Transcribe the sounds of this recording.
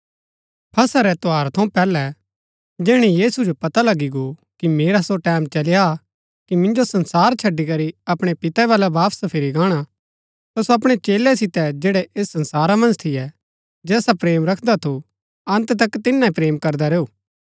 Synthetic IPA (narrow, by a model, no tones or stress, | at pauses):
pʰɐsaɾɛt̪oaːɾt̪ʰɐ̃ũpɛːlɛ | d͡ʒɛːɽ̃ijiːsud͡ʒopɐt̪alɐɡiɡokimeːɾasoʈɛːmt͡ʃɐlɪja | kimɪ̃nd͡ʒosɐ̃nsaːɾt͡ʃʰɐɖːikɐɾiɐpɽ̃epɪt̪ɛʋaːlɛbaːpspʰɪɾiɡaːɽ̃a | t̪asoɐp̬ɽ̃et͡ʃeːlɛsɪt̪ɛd͡ʒeːɽɛʔeːsːɐ̃nsaːɾamɐ̃nd͡ʒt̪ʰɪjɛ | d͡ʒɛːsapɾeːmɾɐkʰd̪at̪ʰu | ɐ̃nt̪t̪ɐkːt̪ɪnːaipɾeːmkɐɾd̪aɾeːoː